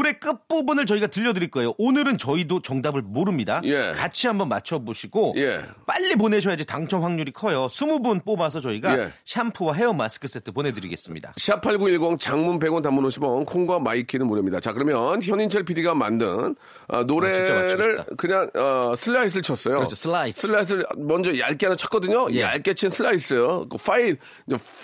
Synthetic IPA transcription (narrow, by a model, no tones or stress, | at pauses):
oɾe̞k͈ɯp͈obunɯɭt͡ɕʌiɡatɯʎːʌdɯɾiɭk͈ʌejoʔonɯɾɯnt͡ɕʌidot͡ɕʌŋdabɯɭmoɾɯmɲidaje̞kat͡ɕʰiambʌnmat͡ɕʰʌboɕʰiɡoje̞̰p͈aʎːip̬one̞ɕ̬ʰʌjad͡ʑitaŋt͡ɕʰʌŋɸwaŋɲuɾikʰʌjosʰumubunp͈obasʰʌt͡ɕʌiɡaeɕʰampʰuwaɦe̞ʌmas͈ɯ̥kʰɯs͈e̞tʰɯpone̞dɯɾḭɡe̞s͈ɯmɲḭda̰ɕʰiapʰaɭɡuiɭɡʌŋt͡ɕaŋmunpeɡʌntamunoɕʰimʌnkʰoŋɡwamaikʰinɯnmuɾjʌmɲidat͡ɕakɯɾʌmjʌnçjʌɲint͡ɕʰeɭpʰidiɡama̰ndɯ̰n | ʌ̰noɾe̞ɾɯɭkɯɲaŋʌsʰɯɭːais̬ʰɯɭt͡ɕʰʌs͈ʌjot͡ɕʰosʰaisʰɯɭːais̬͈ʰɯɭmʌnd͡ʑʌjaɭk͈eanat͡ɕʰʌt̚k͈ʌdɯɲojja̰ɭk͈et͡ɕʰinsʰɯɭːais͈ʌjokofʰail | d͡ʑe